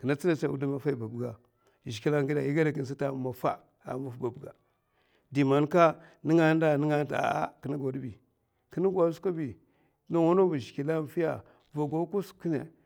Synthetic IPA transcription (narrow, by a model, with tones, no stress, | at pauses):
kə˨na˦t͡si˦na˨t͡ʃa˦˨u˦di˦ma˨fa˦i˨ba˨bu˨ɡa˨ | ʒi˨ki˦la˦ŋ˦ɡi˦da˨i˦ɡa˦da˨ki˦n˨s̬i˦ta˨ma˨fa̰˦ | a̰˨˦ma˦fba˨bu˨ɡa˨ | di˨ma˨nka˦ | ni˦ŋa˦nda˨ni˦ŋa˦ta̰˨˦a̰˦ki˨ni˦ɡo˨di˦bi˨ | kə˦ni˦ɡa˨˦ska˦bi˨˦ | na˨wa˦no˦vu˨ʒi̥˨ki˨la˦n˦fi˦ja̰˨ | va˨ɡo˦ku˦ski˦nḛ˨